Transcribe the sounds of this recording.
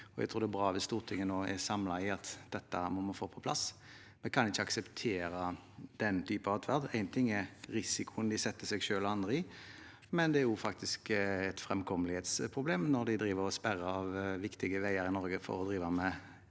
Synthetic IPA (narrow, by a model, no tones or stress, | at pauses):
ɔæɡt̪ʰuːɾd̪ɛbɾɑːʋɪst̪uːʁt̪ʰɪŋːənoːɛ̰sɑmlɑɪɑt̪d̪ɛt̪ːəmɔmɑnfoːpʰɔ̥pʰlɑ̰s | mɛkʰɑnɪçːəɑksɛpt̪ʰeːɾə | d̪̥ɛnt̪ʰyːpɑʋɑt̪ʰʋæʁd̪æɪnt̪ʰɪŋːɛʁɾɪsɪkʰʊənd̪ɪsɛt̪ːəsɛɡʃøːlɔɑnd̪ɾəɪ | mɛnd̪ɛæɾjʊfɑk̚t̪ɪskɛt̪fɾɛmkʰɔməlɪheːt̪spʰʁʊbleːmnɔɾd̪æɪd̪ɾiːʋəɾɔspæɾəɑʋʋɪkt̪ɪɡəʋæɪəɾɪnɔɾɡəfɔ̰ɾɔd̪ɾiːʋəmɛ